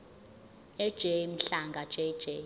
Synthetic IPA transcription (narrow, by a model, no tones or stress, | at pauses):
ɛd̥ʒ̥ʱɛm̩ɬaŋɡʱḁʒ̥ʱʼɛ̥ʒ̥ʱɛ